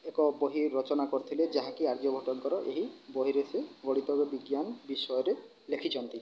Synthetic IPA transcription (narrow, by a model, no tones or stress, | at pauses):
ekɔboɦiɾɔt͡ʃɔnakɔɾt̪ʰiled͡ʒaɦãkiaɾd͡ʒ̪jɔbʱɔʈɔŋkɔɾɔʔeɦibɔɦiɾeseɡɔɽit̪ɔbebiɡjanɔbisɔjɔɾe | lekʰit͡ʃʰɔnt̪i